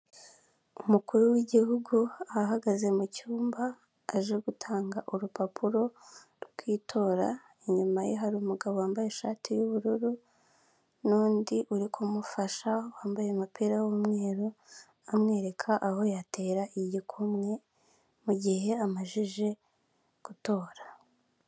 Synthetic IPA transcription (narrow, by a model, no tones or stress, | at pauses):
umukuɾuwiɟihuɡuaɦaɡaze̞mucuːmbaː | ʒe̞ɡutʰaːŋɡaʔuɾupapʰuɾo̞ɾɡwiːtʰo̞ːɾa̰ | iɲumajeɦaɾuːmuɡaβo̞waːmbaje̞ʃatijuβuɾuɾu | nuːndiʔuɾikʰomufaʃawaːmbajemapiɾawumŋe̞ːɾo | amŋe̞ːɾe̞kʰaʔaho̞jate̞ːɾaʔiɟikʰumŋe̞ | muɟihe̞amaʒiʒe̞ | ɡ̥uto̞ːɾa